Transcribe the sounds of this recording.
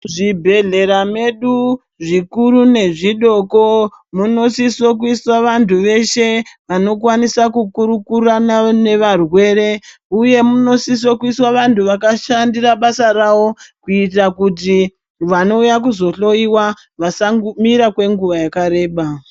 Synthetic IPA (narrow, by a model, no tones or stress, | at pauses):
ʐibʱe̞ɮe̞ɾame̞ɗu | ʐikuɾune̞ʐiɗo̞ko̞ | muno̞sisokuiswaʋantʰuʋe̞ʃe̞ʋano̞kwanisakukuɾukuranane̞ʋarwe̞ːɾe̞uje̞muno̞sis̬wokuiswaʋantuʋakaʃandiraɓasaɾawo̞kuitakuti | ʋano̞ujak̬uzo̞ɬo̞jiwa | ʋasamiɾakwe̞ŋɡuʋajakaɾe̞ːɓa